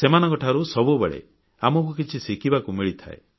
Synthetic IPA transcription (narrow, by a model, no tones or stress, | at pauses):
semanɔŋkɔʈʰaɾusɔbubeɭḛ | amɔk̬ukit͡ʃʰisikibakumiɭit̪ʰa̰e